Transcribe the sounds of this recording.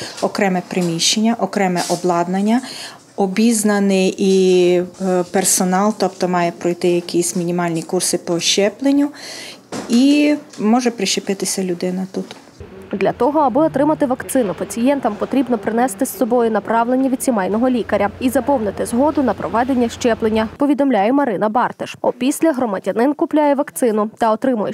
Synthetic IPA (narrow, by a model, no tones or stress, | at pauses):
ɔkɾɛmɛpɾɪmʲiʃt͡ʃenʲːɐʔɔkɾɛmɛʔɔblˠɑd̪nɐnʲːɐ | ɔbʲiznɐnɪi | persɔnɑlˠt̪ɔpt̪ɔmɑjɛpɾɔjt̪ɪjɐkʲisʲmʲinʲimɑlʲnʲikursɪpɔʃt͡ʃɛplˠenʲːʊ | imɔʒɛpɾɪʃepɪt̪ɪsʲɐlʲʊd̪ɪnɐt̪ut̪ | d̪lʲɐt̪ɔɦɔɐbɪɔt̪ɾɪmɐt̪ɪʋɐkt̪sɪnʊpɐt͡sʲijɛnt̪ɐmpɔt̪ɾʲibnɔpɾɪnɛst̪ɪsːɔbɔjʊnɐpɾɑʋlˠenʲːɐʋʲid̪ʲsʲimɛjnɔɦɔlʲikɐɾʲɐizɐpɔwnɪt̪ɪzɦɔd̪ʊnɐpɾɔʋɛd̪e̞nʲːɐʃt͡ʃɛplˠenʲːɐpɔʋʲid̪ɔmlʲajɛmɐɾɪnɐbɑrt̪eʃɔpʲisʲlʲɐɦɾɔmɐdʲɐnɪnkʊplʲajɛʋɐkt̪sɪnʊt̪ɐɔt̪ɾɪmʊjɛ